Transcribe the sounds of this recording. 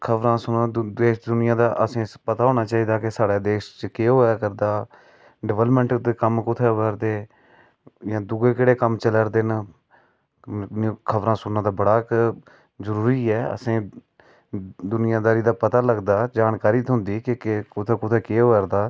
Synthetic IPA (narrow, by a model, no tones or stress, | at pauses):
kʰəʋɾãːsʊnãd̪eːʃd̪ʊnɪjãːd̪aːʔəsẽːpət̪aːɦoːnaːt͡ʃaːiːd̪aːkɪsaːɽaːd̪eːʃt͡ʃəkeːɦoːjaːkəɾd̪aː | ɖɪʋəlmə̃ɳʈd̪ekəmkʊt̪ʰeːʋəɾd̪eː | jãːd̪ʊɡeːkeːɽeːkəmt͡ʃələɾd̪eːn | kʰəʋɾãːsʊnːãːd̪aːbəɽaːk | zəɾuːɾiːɛːə̰sẽː | d̪ʊnɪjãːd̪aːɾiːd̪aːpət̪aːləɡd̪aːd͡ʒaːnkaːɾiːt̪ɦʊ̃nd̪iːkɪkkʊt̪ʰeːkʊt̪ʰeːkeːɦoːəɾd̪aː